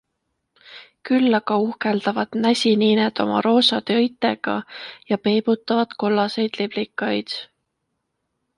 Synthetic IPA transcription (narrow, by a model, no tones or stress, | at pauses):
kylːɑɡ̥ɑuhkeld̪̥ɑvɑd̪̥næsʲiniːned̪̥o̞mʔɑ̰ɾo̞ːsɑd̪̥eɤjt̪ːˑe̞ɡ̥ɑjɑpe̞ːb̥ut̪ːˑɑvɑd̪̥ko̞lːɑse̞jd̪̥leblikːˑɑjd̪̥